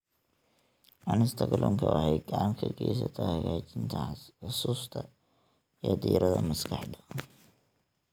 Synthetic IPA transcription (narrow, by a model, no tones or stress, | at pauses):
ʔɐnɪst̪ʰɐɡɐlʔɔŋkʰɐwɐhɛjɡɑʕmkʰɐɡɛjs̬ɐt̪ʰahɐɣaːt͡ʃɪnt̪ʰɐʊsuːst̪ʰɐ | jɛd̪ḭːɾɐðɐmɐskʰɑħd̪ɐ̥